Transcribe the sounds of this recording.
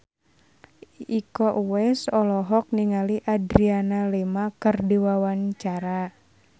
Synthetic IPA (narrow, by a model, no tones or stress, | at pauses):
ikɔʔuwɛsɔlɔɦɔk̚niŋaliʔadɾianalemakərdiwawaɲt͡ʃaɾa